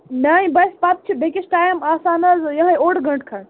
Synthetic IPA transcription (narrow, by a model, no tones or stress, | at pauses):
naĩbɐspap̪̚t͡ʃʰibekisʈaːjmaːsaːnɐzjɐɦɐjoːʈɡɐ̃ɳʈ̚kʰɐn